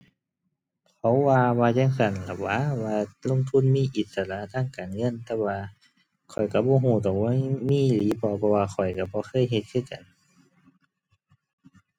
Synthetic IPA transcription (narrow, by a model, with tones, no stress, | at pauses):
kʰa˨˦wwaː˧waː˧t͡ɕaː˧˥˨ŋka˧˩˨nla˨˧˩waː˧˥˨waː˧lo˧˥˨ŋt̪ʰu˧˥˨nmiː˧˥˨ʔi˨˦t̪̚sa˧˨laː˧˨t̪ʰaː˧˥˨ŋkaː˨nŋɤ˧˥˨nt̪ɛː˧waː˧ | kʰɔ˨˩jka˧˩bɔː˧˦ɦuː˧˩t̪ɔː˨˩ŋa˧˥miː˧˥˨liː˨˦bɔː˧˦pʰɔ˧waː˧xʰɔ˨˩jka˧˩bɔː˧˦xʰɤː˧˥˨jɦe˧t̪̚kʰɯː˧˨ka˨n